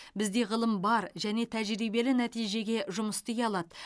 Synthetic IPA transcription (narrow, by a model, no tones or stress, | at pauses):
bɪzd̪e̞ʁəlˠəmbɑɾʒæne̞t̪ʰæʒɾijbe̞lɪnæt̪ijʒe̞ɡʲe̞ʒʊməst̪ejɑlˠɑd̪ə